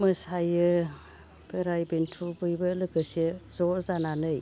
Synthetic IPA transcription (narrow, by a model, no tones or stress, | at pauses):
mɯsajɯ | beɾajbentʰubɯjbɯlɯɡɯsezɔzananɯj